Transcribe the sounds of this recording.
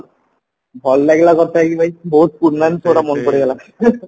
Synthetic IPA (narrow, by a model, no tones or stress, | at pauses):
bʱɔlːɛɡlakɔt̪ʰːaakibʱajboɦut̪̚puɾːant̪ʰoɽamonkoɽeɡɛla